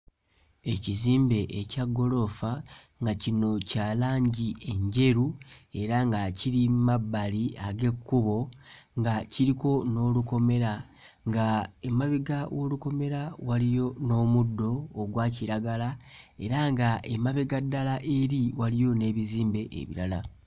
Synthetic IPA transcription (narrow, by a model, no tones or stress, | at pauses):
e̞ciziːmbe̞ʔecaɡːo̞lo̞fa | ŋɡacino̞caːlaːɲɟie̞ɲɟe̞ɾue̞ɾaŋɡaciɾimabːaliaɡe̞kʰːuβo̞ŋɡaciɾiko̞no̞ːluko̞me̞ɾa | ŋɡaemaβeɡawo̞luko̞me̞ɾawalijo̞no̞ːmudːo̞ːɡwaːciɾaɡalae̞ɾaŋɡaʔemaβeɡadːalaʔe̞ɾiwalijo̞ne̞ːβiziːmbeʔḛβḭɾala